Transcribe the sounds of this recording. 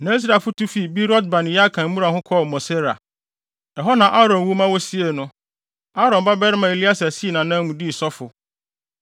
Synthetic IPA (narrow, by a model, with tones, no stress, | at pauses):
nã˨˦i˦s̬ɾa˨fʊ˦tʰu˦fi˨bi˦ɾɔ˦d̚bã˨n˨˦a˦kʰã˨m̩˦mũ˦ɾa˨hʊ̃˦kʰɔ˦˨mɔ̃˨se˦ɾa̰˨ | ɛ˨ɦɔ˦nã˨ʔa˦ɾɔ̃˨nwu˦mã˦wɔ˦si˦e˨nʊ̃˦ | a˦ɾɔ̃˨ba˦bɛ˦ɾɪ˦mã˨e˨li˦a˦sa˨si˦˨nã˨nã˦mũ˨di˦˨sɔ˦fʊ˨